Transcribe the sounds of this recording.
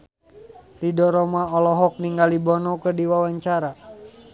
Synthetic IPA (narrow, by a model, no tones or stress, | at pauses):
lidɔɾɔmaɔlɔɦɔk̚niŋɡalibɔnɔkərdiwawaɲt͡ʃaɾa